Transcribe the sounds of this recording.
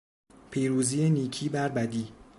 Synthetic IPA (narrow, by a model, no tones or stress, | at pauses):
pʰiːɾuːziːjeniːcʰiːbæɾbæd̪iː